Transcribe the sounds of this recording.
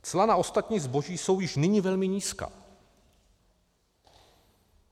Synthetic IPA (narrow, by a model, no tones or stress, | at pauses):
t͡slanaʔo̞st̪at̪ɲiːzbo̞ʒiːso̞wjɪʃnɪɲivɛlmɪɲiːska̰ː